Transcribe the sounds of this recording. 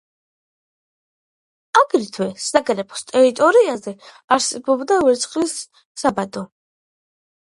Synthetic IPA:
aɡɾit̪ʰwɛsaɡɾɛpʰɔ̥st̪ʼɛɾit̪ʼɔɾiazɛ | aɾsɛbɔbd̪avɛɾt̪sʰχʼlisː | abad̪ɔ

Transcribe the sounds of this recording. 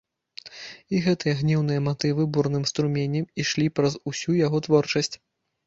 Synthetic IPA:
iɣɛt̪ɨjɐɣnʲiwnɨjɐmat̪ɨvɨburnɨmst̪ɾumʲenʲːɛmiʂlʲipɾɐzusʲujaɣɔt̪vɔrt͡ʂɐsʲt͡sʲ

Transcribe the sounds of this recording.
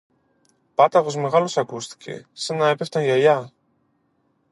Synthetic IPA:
pɐt̪ɐɣo̞zme̞ɣɐlosɐkust̪i̥ce̞̰sɐnɐepeft̪ɐnʝɐʎɐ

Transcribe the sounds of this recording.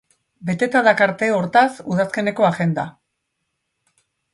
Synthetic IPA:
be̞t̪e̞t̪aðakaɾt̪e̞o̞ɾt̪asuð̞aske̞ne̞ko̞aɣe̞nd̪a

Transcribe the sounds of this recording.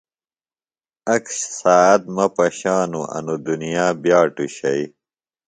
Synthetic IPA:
ɐkɕsaːɐt̪̚mɐpɐɕaːnuʔɐ̰nud̪unijaːbjaːʈuɕɐi

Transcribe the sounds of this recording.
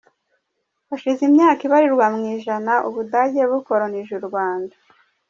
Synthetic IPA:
βaʃizimɲaːkiβaɾiɾwamŋiːʒanaʔuβudaɟeβuko̞ɾoniʒuɾɡwaːnda

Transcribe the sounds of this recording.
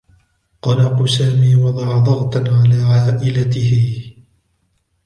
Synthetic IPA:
qɑːlaqusaːmiːwɑd̪ˤɑʕd̪ˤɑɣt̪aʕalaːʕaːʔɪlat̪ɪhɪ

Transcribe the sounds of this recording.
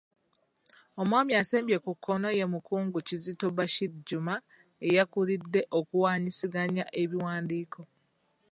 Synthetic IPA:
omwaːmiaseːmbje̞kukʰːo̞no̞je̞mukuːŋɡucizitobaʃidɟuma | e̞jakulidːe̞ʔo̞kuwaːɲisiɡaɲaʔe̞βiwaːndiːko̞

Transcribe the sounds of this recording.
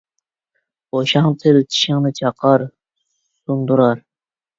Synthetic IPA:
oʃɑŋt̪ʰɪlt͡ʃʰi̥ʃɪŋnɨt͡ʃʰɑqʰɑɾ | sund̪uɾɑɾ

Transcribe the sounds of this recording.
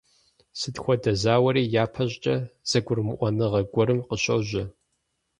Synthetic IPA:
sɨtxʷɔdɐzaːwɐɾiːjaːpʰɐʑʼt͡ʃʼɐz̥ɐɡʷʊrmɨʔʷɔnɨʁɐɡʷɔɾɨmqəɕʼɐwʑɐ

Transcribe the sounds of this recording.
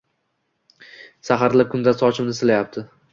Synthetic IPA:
saɦaɾlap̚kʰʊnd̪asɒt͡ʃʰɪmnɪsɪlajap̚t̪ʰɪ

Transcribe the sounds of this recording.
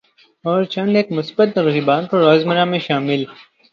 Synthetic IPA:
ɔːɾt͡ʃɐ̃nɖeːkmʊsbət̪̚ɾʊɦibaːnkoɾɔːzməɾãːmẽʃaːmɪl

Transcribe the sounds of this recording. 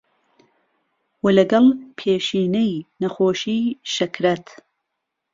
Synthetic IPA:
wɐlɐɡɐlpʰeːʃiːnɐjnɐxoːʃiːʃɐkɾɐt̪

